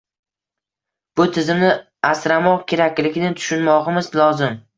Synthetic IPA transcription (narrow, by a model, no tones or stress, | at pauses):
b̥ʊt̪ʰɪzɪmnɪ | asɾamɒqkʲʰe̞ɾakʲlɪɡʲnɪt̪ʰʊ̥ʃʊnmɒʁɨmɪzlˠɒzɪm